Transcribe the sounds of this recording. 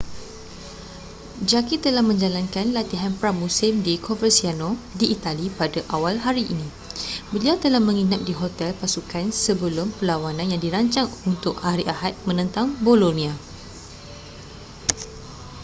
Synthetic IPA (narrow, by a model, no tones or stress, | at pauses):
d͡ʒakit̪əlahmə̃ɲd͡ʒalankanlat̪iɦanpɾamũsɪmdikʰovəsianodiːt̪alipadaʔawalɦaɾiʔinĩ | bəliawt̪əlahmə̃ŋinãt̚diɦot̪ɛlpasukʰansəbəlʊmpəlawanãnjaŋdiɾaɲt͡ʃaŋunt̪ʊk̚aɾiʔaɦat̪̚mə̃nə̃nt̪aŋbolonĩa